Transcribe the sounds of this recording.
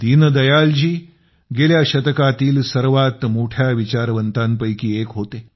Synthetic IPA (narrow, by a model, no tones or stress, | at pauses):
t̪iːnəd̪ɐjald͡ʑiː | ɡeːljaɕət̪əkat̪iːlsəɾʋat̪moʈʰjaʋit͡ɕaɾʋənt̪anpəjkiːekɦoːt̪eː